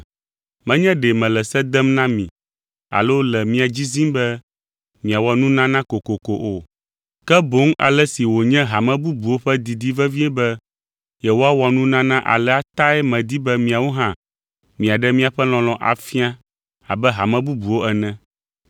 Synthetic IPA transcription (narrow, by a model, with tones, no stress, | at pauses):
mɛ̃˦ɲɛ̃˦ɖɛ˨mɛ̃˨lɛ˨sɛ˦d̪ɛ˦mnã˦mĩ˨ | a̰˨lo˦wo˦lɛ˨mĩ˦a˨d͡ʑi˦zi˦mbɛ˦ | mĩ˨a˨wɔa˨nũ˦nã˦nã˦ko˨ko˨ko˨ʔo˨ | kɛ˦bo˦ŋa̰˨lɛ˦si˨wo˨ɲɛ̃˦ɦa˨mɛ̃˦bu˦bu˨wo˦ɸɛ˦d̪i˨d̪i˦vɛ˦vi˦ɛ˦bɛ˦ | jɛ˨wo˦a˦wɔ˨a˨nũ˦nã˦nã˦ʔa̰˨lɛ˦a˦t̪a˦ɛ˦mɛ̃˨d̪i˦bɛ˦mĩ˨a˨wo˦ɦã˦ | mĩ˨a˨ɖɛ˦mĩ˦a˨ɸɛ˦l̃ɔ̃˨l̃ɔ̃˨ʔa̰˨fi˦a˦ | a̰˨bɛ˦ɦa˨mɛ̃˦bu˦bu˨wo˦ɛ˨nɛ̃˦